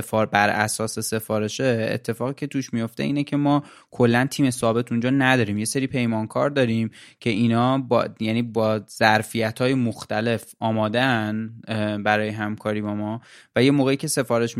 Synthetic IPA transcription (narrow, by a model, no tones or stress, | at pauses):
fɒːɾbæɾʔæ̰sɒːse̞se̞fɒːɾe̞ʃeḛt̪ʰːe̞fɒːɣiːcʰe̞t̪ʰuːʃmijo̞ft̪e̞̰iːnecʰe̞mɒː | kʰo̞lːænt̪ʰiːme̞sɒːbe̞t̪ʰund͡ʒɒːnæd̪ɒːɾiːmje̞seɾiːpʰe̞jmɒnkʰɒːɾd̪ɒːɾiːmcʰe̞inɒːbjæːniːbɒːz̥æɾfijæt̪ʰhɒːjemoxt̪æle̞fɒːmɒːd̪eænbæɾɒːjeɦæmkʰɒːɾiːbɒːmɒvæje̞moːɣejicʰe̞se̞fɒːɾe̞ʃ